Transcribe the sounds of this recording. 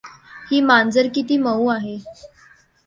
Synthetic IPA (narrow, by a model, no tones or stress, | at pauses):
hiːmand͡zəɾkit̪iːməuaɦe